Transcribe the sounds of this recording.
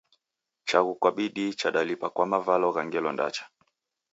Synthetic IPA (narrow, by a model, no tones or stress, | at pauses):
t͡ʃaɣukwaɓiɗit͡ʃaɗalipakwamavalɔɣaŋɡɛlɔnda̰t͡ʃḁ